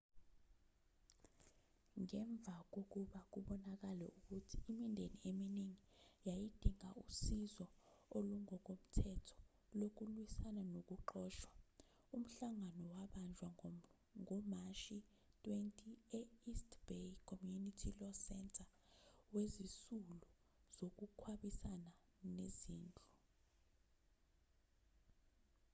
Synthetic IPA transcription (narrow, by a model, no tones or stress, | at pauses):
ŋɛɱb̪vʱak̬ok̬uɓak̬uɓɔnak̬alɛ̰ʔuk̬utʰiːmindʱeniemineŋijajid̥ʱiŋausizɔoluŋɔk̬om̩tʰɛtʰɔ̥ | lok̬ulwisananok̬uǃɔːʃwa | um̩ɬaŋanɔwaɓand͡ʒʱwa | ŋʱɔmaʃi | tʼwentʼiɛistb̥ekʰɔmjunitʰilɔsɛntʰʼa | wezisulu | z̥ok̬ukʰwaɓisana | neziːnd͡ɮʱʼu